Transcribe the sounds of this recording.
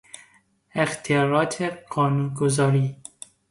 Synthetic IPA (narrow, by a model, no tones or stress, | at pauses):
ext̪ʰijɒːɾɒːt̪ʰeɢɒːnunɡozɒːɾiː